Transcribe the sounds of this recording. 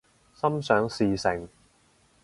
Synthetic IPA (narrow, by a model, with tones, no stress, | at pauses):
sɐ˥msœː˨˥ŋsiː˨˧sɪ˨˩ŋ